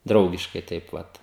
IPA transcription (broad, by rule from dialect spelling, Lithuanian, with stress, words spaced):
ˈdrɐʊɡʲɪʃkɐɪ ˈtɐɪp ˈʋɐt